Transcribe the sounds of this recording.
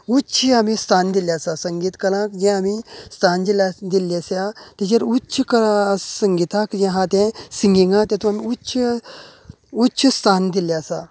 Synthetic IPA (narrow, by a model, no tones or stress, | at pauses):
uɕʰiamist̪ʰand̪iljasasəŋɡiːt̪kəlãkd͡ʑɛ̃amist̪ʰand͡ʑilad̪ilːesjat̪ɛ̃d͡ʑəɾuɕʰkəɾasəŋɡit̪ãkd͡ʑɛ̃ɦãt̪ɛ̃siŋɡiŋɡãt̪ɛ̃t̪ũamiuɕə | utːt͡ʃʰəst̪ʰand̪iljasa